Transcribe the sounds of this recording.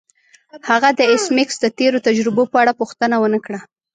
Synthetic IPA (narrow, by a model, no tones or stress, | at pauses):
haɣad̪əɪsmɪksd̪ət̪eɾot̪ad͡ʒɾɪbopəaɽapuxt̪ənawənəkɽa